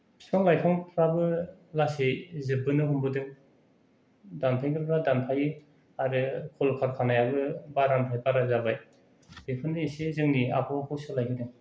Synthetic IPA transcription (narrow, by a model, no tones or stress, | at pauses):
sɯŋlajkʰɯŋpʰɾabɯlasezɯbɯnɯɦumbɯdɯŋ | danpʰajkʰɯɾpʰɾadanpʰaji | aɾɯkʰɔlkʰaɾkʰanajabɯbaɾanpʰajpaɾazabaj | bepʰɯnːɯisezɯŋnia̰pʰɔpʰɔsɯlajkʰɯdɯŋ